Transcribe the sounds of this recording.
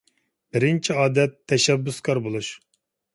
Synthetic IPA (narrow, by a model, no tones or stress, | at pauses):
b̥ɪɾɪnt͡ʃʰiɑːd̪ɛt̪ʰːɛʃɛbːʊskʰɑɾbolˠuʃ